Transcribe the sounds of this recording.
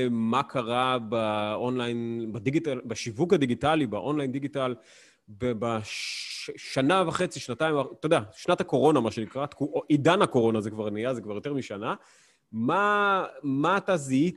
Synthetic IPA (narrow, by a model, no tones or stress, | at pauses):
makʰaʁabaonlajnbad̪iɡitalbaʃivukhad̪iɡitalibaʔo̞nlajind̪iɡital | bba | ʃanavaχe̞t͡siʃnatajmat̪od̪aʃnathako̞ʁo̞namaʃenikʁat̪kuid̪anhako̞ʁo̞nazekvaʁnijazekvaʁjoteʁmiʃana | ma | maːt̪azii